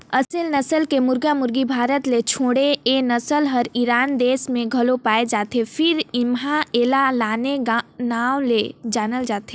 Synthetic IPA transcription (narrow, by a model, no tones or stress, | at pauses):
əsəlnəsəlkemʊɾɡamʊɾɡibʱaːɾət̪let͡ʃʰoːɽeenəsəlɦəɾiɾaːnd̪eːsmẽɡʱɐlopaːed͡ʒaːt̪epʰɪɾɪmɦãeːlalaːnenaːwled͡ʒaːnəld͡ʒaːt̪ɦe